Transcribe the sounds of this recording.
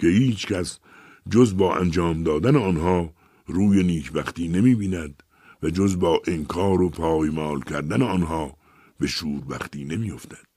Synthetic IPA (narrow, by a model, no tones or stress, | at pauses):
kʰe̞hiːt͡ʃʰkʰæs | d͡ʒozbɒːʔæ̰nd͡ʒɒːmd̪ɒːd̪æneɒːnɦɒː | ɾuːje̞niːkʰbæxt̪iːne̞miːbiːnæd̪ | væd͡ʒozbɒːʔeŋkʰɒːɾopʰɒːjmɒːlcʲʰæɾd̪æneɒːnɦɒː | be̞ʃuːɾbæxt̪iːne̞miːjo̞ft̪æd̪̥